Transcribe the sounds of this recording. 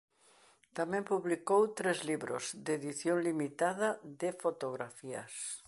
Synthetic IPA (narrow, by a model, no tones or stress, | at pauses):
t̪amɛ̃mpuβlikowt̪ɾezliβɾo̰zd̪eðiθjoŋlimit̪aðɐðɪfot̪oɣɾafiɐ̰s